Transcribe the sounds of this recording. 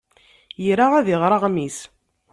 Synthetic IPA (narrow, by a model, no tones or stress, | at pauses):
jɾaʁæðɪʁɾˤɑʁmis